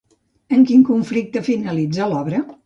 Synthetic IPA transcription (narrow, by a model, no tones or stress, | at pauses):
əŋkiŋkuɱflik̚t̪əfinəlid͡zəlɔβɾə